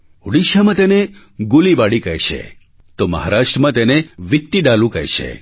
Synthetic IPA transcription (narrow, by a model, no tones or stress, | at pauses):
uɽiʃamãt̪ene | ɡulibaɽikəɦjʃʰḛ | t̪omə̰ɦaɾaʃʈɾəmãt̪eneʋik̚t̪iɖalũkəɦjʃʰḛ